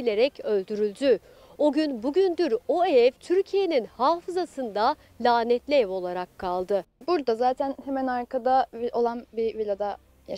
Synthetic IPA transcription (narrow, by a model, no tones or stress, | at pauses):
ilʲe̞ɾɛcʰø̞lʲd̪yɾylʲd̪y | o̞ɟynbuɟynd̪yɾo̞evt̪ʰyɾcʰije̞ninhaːfɯzasɯnd̪a | lʲaːnɛt̪lʲɛvo̞lˠaɾakʰːalˠd̪ɯbuɾd̪azaːt̪ʰænhemænaɾkʰad̪avio̞lˠanbivilʲad̪a | ja